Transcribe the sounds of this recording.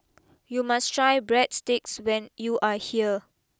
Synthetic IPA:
jumastɹajbɹɛtstɪkswɛ̃njuʔahiə

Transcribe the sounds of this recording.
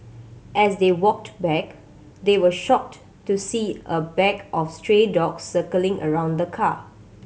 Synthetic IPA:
ʔɛsdewɔk̚tbɛk | d̪ewəʃɔk̚t | tːusiːʔəbɛɡʔɔfstɹedɔksːəkəlɪ̃ŋʔə̰ɹãʊ̃nd̪əkʰa

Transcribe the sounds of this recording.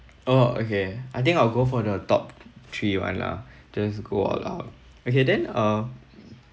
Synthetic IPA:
oo̰keajt̪ɪ̃ŋkaɪlɡofɔdətɔ̰p̚tʰɹiwã̰nla̰ | d͡ʒasɡoɔ̰la̰ʊt̚ | okedɛ̃nʌ

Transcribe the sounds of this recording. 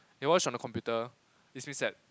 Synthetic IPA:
hiwɔt͡ʃɔ̃ndəkʰɔ̃mpjutə | ismĩnsɛt̚

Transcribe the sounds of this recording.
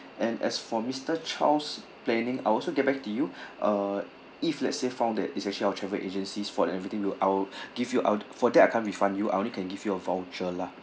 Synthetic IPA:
ʔɛ̃nɛ̰sfɔmistət͡ʃʰa̰ls | plɛ̃nĩŋa̰jɔlsoɡɛt̚bɛk̚tujuʔə | iflɛtsefãʊ̃ndɛtitsɛk̚t͡ʃəliawətt͡ʃʰɹɛvəʔed͡ʒə̃nsisfɔɛ̃nɛvɹit̪ĩŋwiʔaɡivjuʔa̰fɔdɛt̚aɪkʰãnwifãndjua̰ɪʔõnlikʰɛ̃nɡivjuəvaʊwd͡ʒəla

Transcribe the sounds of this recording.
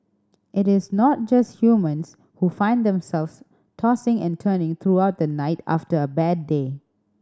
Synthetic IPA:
ʔɪɾɪsnɔt̚d͡ʒasthjumə̃ns | hufãɪ̃nd̪ɛ̃msɛlfs | tʰɔsɪ̃ŋɛ̰̃ntʰənɪ̃ŋt̪ʰɹuaʊt̚d̪ənaɪtʰa̰ftəəbɛdːe

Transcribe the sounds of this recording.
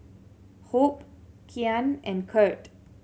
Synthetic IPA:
hop̚kʰianɛ̃nkʰɜt

